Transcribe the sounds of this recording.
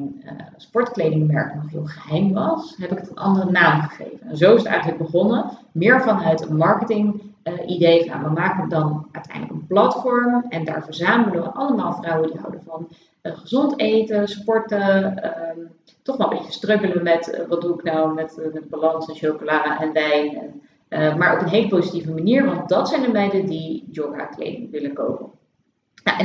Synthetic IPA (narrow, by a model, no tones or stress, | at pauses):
nspɔɹtklejdɪŋmɛ̰ɹknɔχɦɪːlˠχəɦɛjmʋɑsɦɛpɪkətənʔɑ̰ndərənaːmχəχḛjvənɛnzowɪsətɛ̰jχələɡ̚bəχɔnə | mɪːɹvɑnɦətmɑɹkətɪŋʔidejfɑnja̰ʋəmaːkəədɑnœ̰ɥtʰɛ̰jndləkənplɑtfɔɹmɛnda̰ːɹvəɹzaːməələʋəʔɑləmaːlˠvrɑwədiɦʌ̰wdəvɑn | χəzɔntejtəspɔɹtə | tɔχʋɛlˠəmbejcə̥strøkələmɛtʋɑt̚duɪknawmɛtmɛt̚balɑnsɛnʃowkolaːɛnʋɛjnɛn | maːɹo̰wpənɦejləpozitivəmaniːɹʋɑnt̚dɑtsɛjndəɹbɛjdədid͡ʒɔɡa̰klḛjdɪŋʋɪləko̰wpən